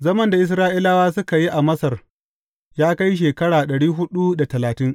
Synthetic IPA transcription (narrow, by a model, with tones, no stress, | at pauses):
zɐ˦mɐ˦nda˨ʔɪ˦s̬ɾaː˦ʔɪ˦laː˦waː˦s̬ʊ˦ka˨ji˦ʔa˨mɐ˦sɐ˨r | jaː˦ka˦jʃ̬eː˨kɐ˦ɽaː˨ɗɐ˨ɽiː˦ɦʊ˦ɗu˦da˨tɐ˨laː˨tɪ˦ŋ